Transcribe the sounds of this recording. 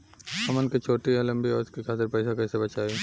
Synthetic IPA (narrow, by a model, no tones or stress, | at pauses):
ɐmənkit͡ʃʰoːʈiɦɛ̃lɐ̃mbiɔːɾɪskikaːt̪ɪɾpɛɪsakɛːsebɐt͡ʃaːiː